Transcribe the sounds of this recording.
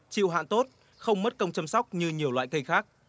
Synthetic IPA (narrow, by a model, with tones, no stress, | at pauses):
t͡ɕḭ˧˨wɦa̰ː˧˨nt̪o˦˥t̚ | xə˧wŋ͡mmə˦˥t̚kə˧wŋ͡mt͡ɕa˧msa˦˥wk͡p̚ɲɨ˧ɲi˨˩əwlwa̰ː˧˨jkə˧jxaː˦˥k̚